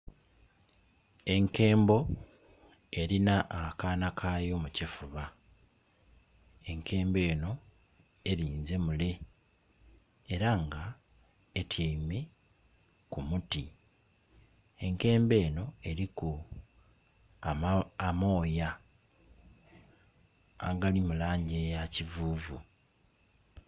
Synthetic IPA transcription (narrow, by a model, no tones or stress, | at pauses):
e̞ŋke̞ːmbo̞ | e̞ɾinaʔakaːnakʰaːjo̞mucifuβa | e̞ŋkʰe̞ːmbe̞ːno̞ | e̞ɾiːnze̞mule̞ | ɾaŋɡa | etʰjeime̞ | kumuti | e̞ŋke̞ːmbe̞ːno̞e̞ɾiku | aːmo̞ːja | a̰ɡalimulaːɲɟe̞jacivuːvu